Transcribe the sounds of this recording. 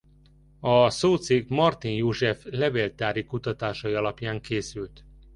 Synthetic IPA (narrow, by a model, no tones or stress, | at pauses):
ɒsoːt̪siɡmɒrt̪injoːʒɛflɛveːlt̪aːɾikut̪ɒt̪aːʃɒjiɒlɒpjaːŋkeːsylt̪